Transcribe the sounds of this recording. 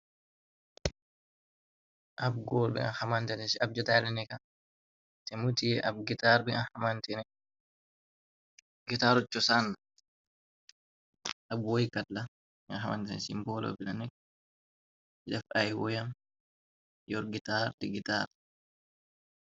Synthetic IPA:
ʔab̚ɡɔlbɛ̰a̰nhamantɛnɛsab̚d͡ʒɔtalɛnɛka | tɛmutiʔabɡitaɾbɛanhamantɛnɛ | ɡitaɾɔt͡ʃːɔsanːa | ʔabwɔjikatla | anɦama̰ntɛnsḭmbɔlɔ̰bilanɛk | iɗafʔajwɔjam | jɔɾɡitaɾtɛɡita̰ɾ

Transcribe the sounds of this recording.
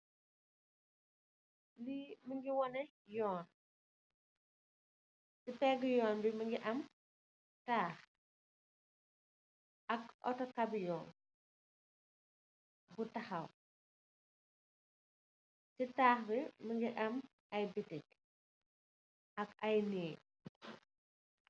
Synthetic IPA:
liməŋɡiwɔnɛ | jɔːn | sipɛɡjɔːnbimɐŋɡiʔɐm | taːx | ɐkɔ̰tɔkɐbjɔːn | butɐxɐw | titaːxbimɐŋɡiʔɐm | ɐjbitik | ʔɐkɐjnɛː

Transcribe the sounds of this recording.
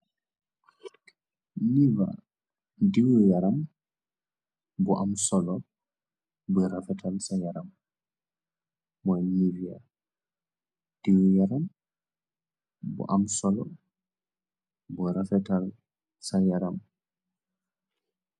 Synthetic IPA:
niva̰ | diwjaɾam | bɔʔamsɔlɔ | bɔɾafɛtʰalsajaɾam | mɔnivia̰ | d̥iwjaɾam | bɔ̰ʔamsɔlɔ | bɔɾafɛtal | sajaɾam

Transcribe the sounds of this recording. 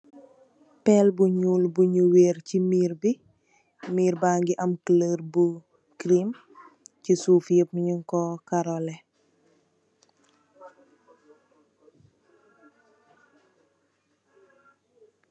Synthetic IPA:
pɛlbuɲuːlbuɲuweːɾcimiːɾbi | miːɾbaːŋɡiʔɐmkləɾbu | kɾim | cisuːfjəp̚ɲiŋkɔkaɾɔlɛ

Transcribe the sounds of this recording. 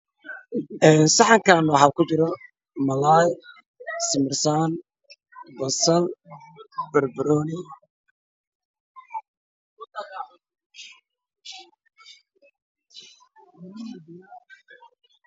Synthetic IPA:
ɛːnsɑħɑŋkʰaːnwɑħɑːkʰʊt͡ʃɪɾɔ | mɐlaːj | sɪmɪrsaːn | bɐsɐl | bɐrbɐɾɔːnɪ

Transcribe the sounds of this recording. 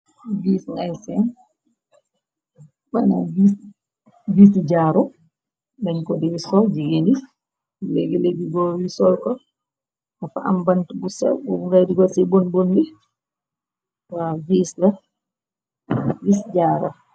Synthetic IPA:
viːsŋajsɛn | banavis | visid͡ʒaɾɔ | bɛnkɔdiwisɔd͡ʒiɡeni | leɡɛleɡiɡɔwisɔlkɔ | afaʔa̰mbantubusɛ̰wɔŋɡajdiɡɔsibonbondi | waviːsla | visd͡ʒaːɾɔ̰

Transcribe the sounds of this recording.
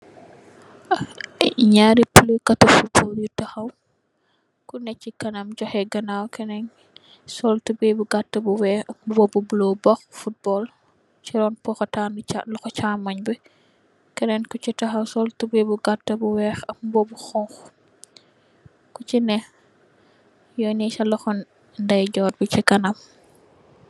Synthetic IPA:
ɲaːɾipuləkɐtufut̚bɔljutɐxɐw | kunɛcːikɐnɐmɟɔxɛɡɐnawkɛnɛn | sɔltubɛbuɡatːɐbuwɛːxɐmbɔbubulobɐxfut̚bɔːl | t͡ʃiɾɔnpɔxɐtanalɔxɔt͡ʃaːmːɐɲbi | kɛnɛnkut͡ʃitɐxɐwsɔltubibuɡatːɐbuwɛːxɐmbɔbuxɔŋx | kut͡ʃinɛ | jɔnɛsɐlɔxɔn | ndɐjɟɔːɾbicikɐnam

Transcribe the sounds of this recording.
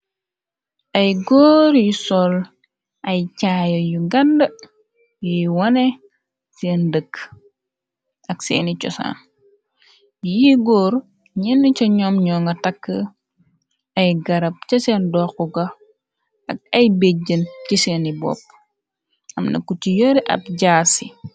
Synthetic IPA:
ʔɐjɡɔːɾisɔl | ʔɐjcaːjɐjuɡɐndɐ | jiwɐne | seːndəkː | ɐksḛːnit͡ʃɔ̰sa̰ːn | jiɡoːɾ | ɲɛnːit͡ʃɐɲɔːmɲɔːŋɡɐtɐkːə | ɐjɡɐɾɐp̚t͡ʃɐsɛːndɔxuɡɐ | ʔɐk̚ɐjbeɟənciseːnibɔ̰p̚ː | ʔɐmnʔɐ̰kucijoɾiʔɐ̰p̚ɟaːsi

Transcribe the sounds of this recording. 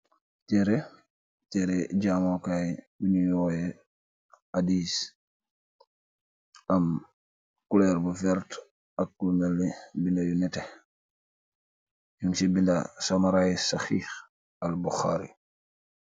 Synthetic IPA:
tɛɾe | tɛɾeɟamokajbiɲujoːjɛ | hadiːs | ʔɐm | kulɛɾbufɛɾt | ɐkːulmelːibindɐjunɛte | juŋsibindɐ̰samaɾaisaxiːx | ɐlbuxaːɾḭ

